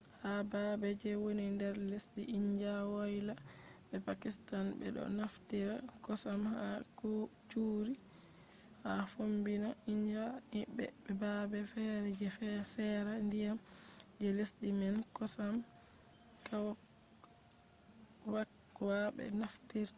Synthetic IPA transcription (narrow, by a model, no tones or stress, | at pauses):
habaːbɛd͡ʒɛwonindɛɾlesɗiʔiɲd͡ʒawajla | bɛpakistanbɛ̰ɗɔ̰naftiɾa | kɔsamhaku | t͡ʃuːɾi | hafombinaiɲd͡ʒa | bɛ̰bɛbabɛfɛɾd͡ʒɛfɛsɛɾandija | d͡ʒɛlesɗimɛnkɔsam | kaw | wak | wabɛ̰naftiɾ